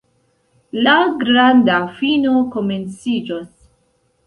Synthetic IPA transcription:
laɡɾandafinokoment͡sid͡ʒos

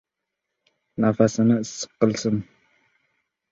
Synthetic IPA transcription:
nafasɐnasə̥qːəlsɨm

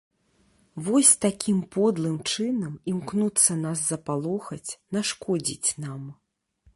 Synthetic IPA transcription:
vɔsʲt̪akʲʰimpɔd̪lˠɨmt͡ʂɨnɐmimknut̪sːɐnaszɐpalˠɔxɐt͡sʲnaʂkɔd͡zʲḭt͡sʲnam

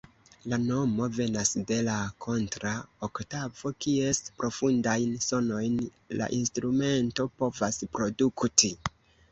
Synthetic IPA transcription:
lano̞mo̞ve̞nasde̞lakʰo̞ntɾaoktavo̞kie̞spɾo̞fundajnso̞no̞jn | la̰ʔinstɾume̞nto̞po̞vaspɾo̞dukti

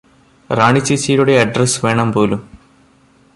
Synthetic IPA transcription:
raːɳit͡ɕːit͡ɕːiːɾuɽe̞ɐɖrɐsʋe̞ːɳɐmpo̞ːlum

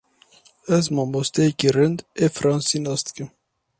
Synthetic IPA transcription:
ɛzmɑːmost̪ekiɾɨnd̪efɾɑːnsinɑːst̪kɨm

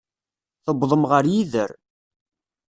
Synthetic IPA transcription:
θəbðˤəmʁəɾjiðəɾ

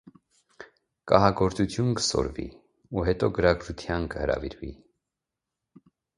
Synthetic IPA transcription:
kɑɦɑɡɔɾt͡sut̪ʰjunkə̥sɔ̰ɾvḭ | uɦɛt̪ɔɡəɾɑɡɾut̪ʰjɑnkəhəɾɑ̰viɾvḭ

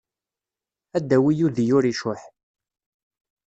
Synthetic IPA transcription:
æd̪ːæwijuðijʊɾiʃʊħ

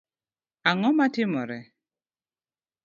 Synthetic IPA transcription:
aŋɔmatɪmɔɾɛ

